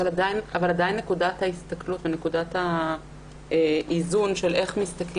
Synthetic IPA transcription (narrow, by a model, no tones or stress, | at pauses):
valadajinavaladainːe̞kudathaist̪aklutvene̞kudatha | ʔizunʃe̞lʔe̞χmist̪ak